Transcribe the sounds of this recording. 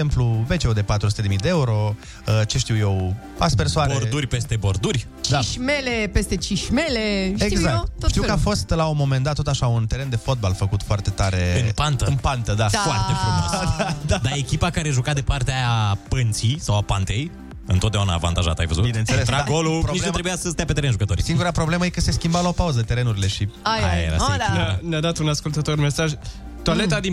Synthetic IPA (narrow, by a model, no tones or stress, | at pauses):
empluve̞t͡ʃeud̪e̞pat̪ɾusut̪e̞d̪mid̪eeuɾo̞ | ət͡ʃe̞ʃt̪iwje̞w | a̰spersoaɾeoɾurʲpe̞st̪e̞bo̞rd̪urʲ | t͡ʃd̪iaʃmelepest̪e̞t͡ʃiʃʲmeleeiɡzakt̪oʃt̪iwkəafo̞st̪launmo̞mend̪at̪ːot̪aʃaunt̪e̞ɾe̞nd̪e̞fo̞t̪̚balfəkut̪foart̪e̞t̪aɾe̞ɨnpant̪əɨnpant̪əd̪afoart̪efomo̰sd̪aekʲipakaɾe̞ʒukad̪e̞part̪eapənt̪sisawapant̪e̞j | ɨ̰nt̪ot̪̚d̪auna̰ːva̰nt̪aʒa̰t̪a̰jvə̰zutbinenselet̪ɾaaɡolupɾnoit͡ʃlnumt̪ɾebujasəst̪ejapet̪eɾeʒukət̪o̞ɾisiŋɡuɾapɾo̞ble̞məjekəse̞skʲimbawlaopauzət̪e̞ɾe̞nuɾile̞ʃiaajḛɾa̰naanad̪at̪unaskult̪ət̪o̞rme̞saʒ | t̪alet̪ad̪i